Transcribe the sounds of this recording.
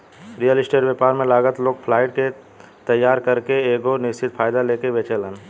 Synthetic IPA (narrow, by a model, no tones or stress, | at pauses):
ɾijəlɪsʈeːɖʋjepaːɾmẽlaːɡət̪loːɡ̚pʰlaːɪʈ̚ke | t̪əjːaːɾkəɾkeeːɡonɪst͡ʃʰɪt̪pʰaːjd̪aleːkeʋet͡ʃelən